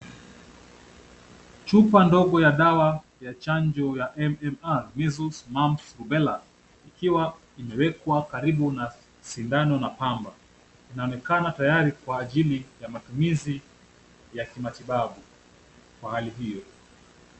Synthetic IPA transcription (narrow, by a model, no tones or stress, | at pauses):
t͡ʃupandɔɠɔjaɗawa | jat͡ʃaɲd͡ʒɔjaʔɛmɛmaɾmizusmamsɾubɛla | ikiwa | imɛwɛkwakaɾiɓuna | sindanɔnapamba | inaɔnɛkanatajaɾikwaːʄilijamatumizi | jakimatiɓaɓu | kwahaliɦijɔ